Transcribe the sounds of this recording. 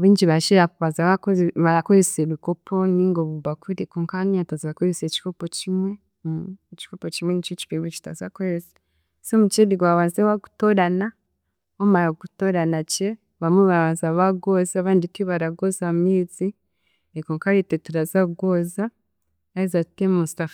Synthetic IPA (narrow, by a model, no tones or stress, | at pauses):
oβiːɲɟiβaʃiɾaβazaβakβaɾakoɾeseɾikopʰoniŋɡoβuβakuɾikoːŋkaniatazaβakoɾeseci̥kopocimwe | eci̥kopocimwenit͡ʃoci̥pimot͡ʃi̥tazakoɾese̥ | somut͡ʃediɡwaβaːnzewaku̥toɾana | omaɾaɡutoɾanace | βamweβaβaːnzaβaɡozaaβaːnditiβaɾaɡozamiːzi | ekoːŋkajetetuɾazaɡoza | aizatemustaf